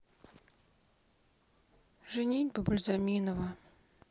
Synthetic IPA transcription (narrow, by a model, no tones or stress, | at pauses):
ʐɨnʲinʲbəbʊlʲzamʲinəvə